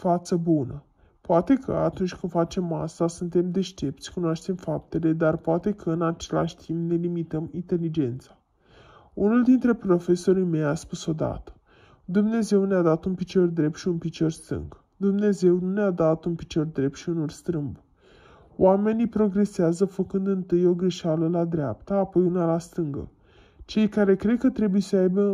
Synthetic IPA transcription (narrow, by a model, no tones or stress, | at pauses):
fat̪səbunə | poat̪e̞kʰə̰a̰t̪unt͡ʃʲkɨnfat͡ʃe̞ma̰st̪asunt̪e̞md̪e̞ʃt̪e̞p̚t̪sʲkunoaʃt̪e̞mfap̚t̪e̞le̞d̪arpoat̪e̞kʰəɨnat͡ʃe̞la̰ʃʲt̪ʰimpne̞limit̪əmint̪e̞lid͡ʒe̞nt̪sḁ | unuld̪int̪ɾe̞pɾo̞fe̞so̞ɾime̞jaspuso̞d̪a̰t̪ə̥ | d̪umne̞ze̞wnead̪at̪unpit͡ʃo̞rd̪ɾe̞p̚t̪ʃiunpit͡ʃo̞rst̪ɨ̰ŋɡ | d̪umne̞ze̞wnunead̪at̪unpi̥t͡ʃo̞rd̪ɾe̞p̚t̪ʃiunulst̪ɾɨmb | owame̞nʲipɾo̞ɡɾe̞seazəfəkɨnd̪ɨnt̪ɨjo̞ɡɾeʃaləlad̪ɾea̰pt̪aːpo̞junalast̪ɨŋɡə̰ | t͡ʃe̞jkaɾe̞kɾe̞d̪̚kət̪ɾe̞buje̞səajbə